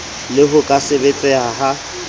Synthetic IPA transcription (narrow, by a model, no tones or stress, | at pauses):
lɪɦʊkʼasɪbet͡ɬʼɛaɦa